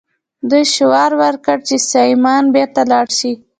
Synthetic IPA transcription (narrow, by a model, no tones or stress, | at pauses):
d̪əʃʊwɑɾwəɾkəɽt͡ʃesɑjmɑnbeɾt̪alɑɽʃi